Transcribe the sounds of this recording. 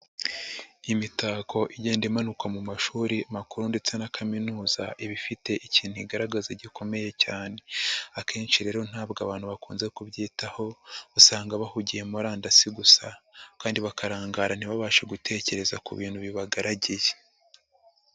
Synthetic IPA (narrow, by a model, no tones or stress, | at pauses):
imitaːkʰo̞ʔiɟe̞ːndimanukamumaʃuːɾiamakuɾunde̞t͡se̞nakʰaminuːza̰ʔiβifite̞ʔiciːnhuiɡaɾaɡazeɟikʰo̞me̞je̞caːne̞akʰe̞ːnt͡ʃiɾe̞ːɾo̞n̥haːbɡaβaːn̥huβakuːnze̞kubɟiːtaho̞usaːŋɡaβahuɟije̞muɾaːndasiɡusakaːndiβakaɾaːŋɡaɾan̥iβaβaːʃe̞ɡutʰe̞ːce̞ɾe̞zakṵβḭːn̥huβiβaɡaɾaɟije